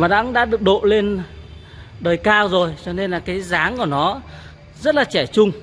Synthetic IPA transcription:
maː˨˩ɗa̰ː˧˥ɗa̰ː˧˥ɗɨ˨˩ək̚ɗo̰˧˨le˧n | ɗəː˨˩jkaː˧wzo˨˩jt͡ɕɔ˧ne˧nlaː˨˩kaː˨˦jzaː˨˦ŋku˧˩nɔ˨˦ | zə˦˥t̚laː˨˩t͡ɕɛ˧˩t͡ɕʊ˧ŋ͡m

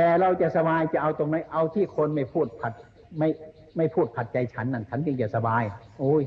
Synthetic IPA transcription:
t̪ɛː˧ɾa˧wt͡ɕa˧˨ʔsa˧baː˧jt͡ɕa˧˩ʔa˧wt̪o˧ŋma˦˧˥jʔa˧wt̪ʰiː˥˩kʰo˧nma˥˩jpʰuː˥˩t̪̚pʰa˨˩t̪̚ | ma˥˩j | ma˥˩jpʰuː˥˩t̪̚pʰa˨˩t̪̚t͡ɕa˧jt͡ɕʰa˦˥nːa˧˩nt͡ɕʰa˦˥nt͡ɕɯ˧ŋt͡ɕa˨˩sa˧baː˧jʔuː˧˥j

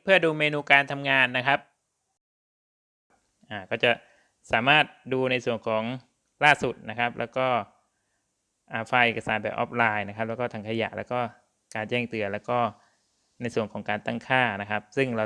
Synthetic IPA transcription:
pʰɯ˥˩ɐduː˧meː˧nuː˧kaː˧nt̪ʰa˧mŋaː˧nːa˦˥kʰa˦˥p̚ | ʔaː˨˩kɔː˥˩t͡ɕa˨˩ | saː˩˦maː˥˩t̪̚duː˧na˧jsu˨˩ənkʰɔː˩˦ŋ | laː˥˩su˨˩t̪̚na˦˥kʰa˦˥p̚lʔɛː˦˥wkɔː˥˩ | ʔaː˨˩faː˧ʔeː˨˩ka˧saː˩˦nbɛː˨˩pʔɔ̰ː˦˥p̚laː˧jna˥kʰa˦˥p̚lɛː˦˥kɔː˥˩a˧ŋkʰa˧ja̰˨˩ʔlɛː˦˥kɔː˥˩ | kaː˧nt͡ɕɛː˥˩ŋt̪ɯ˧ɐlɛː˦˥wkɔː˥˩ | na˧jsu˨˩əŋkʰɔː˩˦ŋkaː˧nt̪a˥˩ŋkʰaː˥˩na˦˥kʰa˦˥p̚sɯ˥˩ŋɾa˧

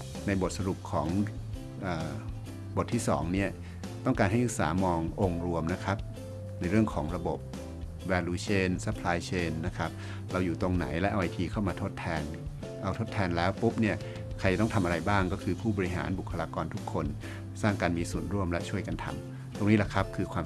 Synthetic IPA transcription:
na˧jbo˨˩t̪̚sa˧ɾu˨˩p̚kʰɔː˩˦ŋ | ʔəː˨˩ | bo˨˩t̪ʰːiː˥˩sɔ̰ː˩˦ŋni˦˥˩ɐ | t̪ɔ˥˩ŋkaː˧nhɦa˥˩jʔɯ˦˥ksa̰ː˩˦mɔː˧ŋʔo˧ŋɾu˧əmna˦˥kʰa˦˥p̚ | na˧jɾɯ˥˩əŋkʰɔː˩˦ŋɾa˧bo˨˩p̚ | wɛː˧luː˧t͡ɕʰeː˧˥˩nsa˧˦pʰlaː˧jt͡ɕʰeː˧˩nːa˦˥kʰa˦˥p̚ | ɾa˧wjuː˨˩t̪o˧ŋna̰˩˦jlɛ˦˥ʔa˧wʔa˧jt̪ʰiː˧kʰa˥˩wmaː˧t̪ʰo˦˥t̪ʰːɛː˧n | ʔa˧wt̪ʰo˦˥t̪ʰːɛː˧nlɛː˦˥wpu˦˥p̚ni˥˩ɐ | kʰa˧jt͡ɕa˨˩t̪ɔ˥˩t̪ʰa˧mʔa˧ɾa˧jbaː˥˩ŋkɔː˥˩kʰɯː˧pʰuː˥˩bɔː˧ɾi˦˥ɦa̰ː˩˦nbu˨˩kʰːa˧laː˧kɔː˧nt̪ʰu˦˥kʰːo˧n | saː˥˩ŋkaː˧nmiː˧su˨˩ənɾu˥˩əmlɛ˦˥ʔt͡ɕʰu˥˩əjka˧nt̪ʰa̰˧m | t̪o˧ŋniː˦˥la˨˩kʰa˦˥p̚kʰɯː˧kʰwaː˧m

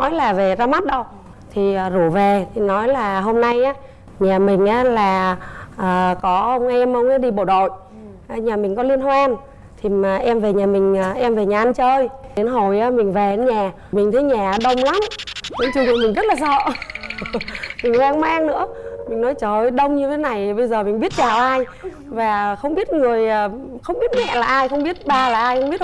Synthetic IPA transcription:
nɔ˨˦jlaː˨˩ve˨˩zaː˧ma˦˥t̚ɗə˧w | t̪ʰi˨˩əː˨˩zu˧˩ve˨˩t̪ʰi˨˩nɔ˨˦jlaː˨˩ɦo˧mna˧jʔaː˨˦ | ɲaː˨˩mï˨˩ŋ̟ʔaː˨˦laː˨˩ʔəː˨˩kɔ˨˦ʔə˧wŋ͡mʔɛ˧mʔə˧wŋ͡maː˨˦ɗi˧ɓo˧˩ɗo̰˧˨j | ʔːɲaː˨˩mï̟˨˩kɔ˨˦li˧ənɦwaː˧n | t̪ʰi˨˩aː˨˩ʔɛ˧mve˨˩ɲaː˨˩mï˨˩ŋ̟ː˨˩ʔɛ˧mve˨˩ɲaː˨˩ʔnt͡ɕəː˧jɗe˨˧˦nɦo˨˩jaː˨˦mï˨˩ŋ̟ve˨˩e˨˦nɲaː˨˩ | mï˨˩ŋ̟t̪ʰə˨˦ɲaː˨˩˨ɗə˧wŋ͡mla˨˦mɗe˨˦t͡ɕu˧˩ɲṵ˧˨˩mi˨˩ŋ̟zə˦˥t̚laː˨˩sɔ̰˧˨ | mï˨˩ŋ̟hwaː˧ŋmaː˧ŋnɨ̰˧˥əmï˨˩ŋ̟nɔ˨˦jt͡ɕəː˧˨˩ɗə˧wŋ͡mɲɨ˧t̪ʰe˨˦na˨˩jɓə˧jzəː˨˩mï˨˩ŋ̟ɓi˦˥ət̚t͡ɕaː˨˩wʔaː˧j | vaː˨˩xə˧wŋ͡mɓi˦˥ət̚ŋɨ˨˩əjəː˨˩xə˧wŋ͡mɓi˦˥ət̚mɛ̰˧˨laː˨˩ʔaː˧jxə˧wŋ͡mɓi˦˥ət̚ɓaː˧laː˨˩ʔaː˧jxə˧wŋ͡mɓi˦˥ət̚

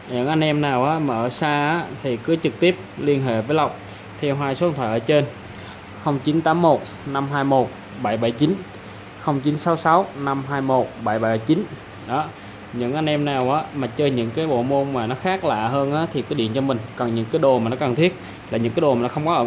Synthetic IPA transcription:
ɲɨ̰˧˥ŋʔa˧jŋ̟ʔɛ˧mnaː˨˩wʔaː˨˦maː˨˩ʔəː˧˩saː˧aː˨˦t̪ʰi˨˩kɨ˨˦t͡ɕɨ˨˩k̚t̪i˦˥əp̚li˧ənɦḛ˧˨vəː˨˦jla˨˩wk͡p̚ | t̪ʰɛ˧wɦaː˧jso˨˦˨t̪ʰwa˧˩ʔəː˧˩t͡ɕe˧n | xə˧wŋ͡mt͡ɕi˨˦nt̪aː˨˦mːo˨˩t̚ | na˧mɦaː˧jmo˨˩t̚ | ɓa˧˩jɓa˧˩jt͡ɕi˨˦n | xə˧wŋ͡mt͡ɕi˨˦nsa˨˦wsa˨˦wna˧mɦaː˧jmo˨˩t̚ɓa˧˩jɓa˧˩jt͡ɕi˨˦n | ɗɔ˨˦ | ɲɨ̰˧˥ŋʔa˧jŋ̟ʔɛ˧mnaː˨˩wʔaː˨˦maː˨˩t͡ɕəː˧jɲɨ̰˧˥ŋkaː˨˦jɓo̰˧˨mo˧nmaː˨˩nɔ˨˦xaː˦˥k̚la̰ː˧˨ɦəː˧nʔaː˨˦t̪ʰi˨˩kaː˨˦ɗḭ˧˨ənt͡ɕɔ˧mï˨˩ŋ̟kɔ˨˩nɲɨ̰˧˥ŋkaː˨˦jɗo˨˩maː˨˩nɔ˨˦kə˨˩ŋt̪ʰi˦˥ət̚ | laː˨˩ɲɨ̰˧˥ŋkaː˨˦jɗo˨˩ma˨˩nɔ˨˦xə˧wŋ͡mkɔ˨˦ʔː

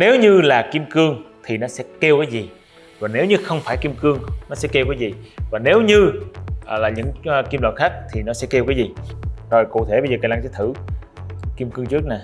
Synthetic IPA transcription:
ne˨˦wɲɨ˧laː˨˩ki˧mkɨ˧əŋt̪ʰi˨˩nɔ˨˦sɛ̰˧˥ke˧wkaː˨˦jzi˨˩ | vaː˨˩ne˨˦wɲɨ˧xə˧wŋ͡mfaː˧˩jki˧mkɨ˧əŋnɔ˨˦sɛ̰˧˥ke˧wka˨˦jzi˨˩vaː˨˩ne˨˦wɲɨ˧˨ | laː˨˩ɲɨ̰˧˥ŋ˨ki˧mlɔ̰˨˩t̚xaː˦˥k̚t̪ʰi˨˩nɔ˨˦sɛ̰˧˥ke˧wkaː˨˦jzi˨˩zo˨˩jkṵ˧˨t̪ʰe˧˩ɓə˧jzəː˨˩kːaː˧˩jlaː˧ŋsɛ˧˥˦t̪ʰɨ˧˩ | ki˧mkɨ˧əŋt͡ɕɨ˦˥ək̚naː˨˩

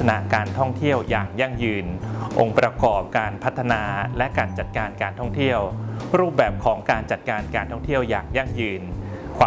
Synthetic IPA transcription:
a˧na̰˧kaː˧nt̪ʰɔ˥˩ŋt̪ʰi˥˩əwjaː˨˩ŋja˥˩ŋjɯː˧nʔo˧ŋpɾa˧kɔː˨˩p̚kaː˧npʰa˦˥t̪ʰːa˧naː˧lɛ˦˥kaː˧nt͡ɕa˨˩t̪̚kaː˧nkaː˧nt̪ʰɔ˥˩ŋt̪ʰi˥˩əwɾuː˥˩p̚bɛː˨˩p̚kʰɔː˩˦ŋkaː˧nt͡ɕa˨˩t̪̚kaː˧nkaː˧nt̪ʰɔ˥˩ŋt̪ʰi˥˩əwja̰ː˨˩ŋja˥˩ŋjɯː˧nkʰwaː˧

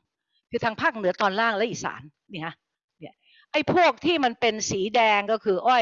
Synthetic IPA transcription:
kʰɯː˧t̪ʰaː˧ŋpʰaː˥˩k̚nɯ˨˩˦ɐt̪ɔː˧nlaː˥˩ŋlɛ˦˥ʔiː˨˩sa̰ː˩˦n | niː˥˩kʰa˦˥ | ni˦˥˩ɐ | ʔa˥˩jpʰu˥˩ək̚t̪ʰiː˥˩ma˧npe˧nsiː˩˦dɛː˧ŋkɔ˥˩kʰɯː˧ʔɔ˥˩j

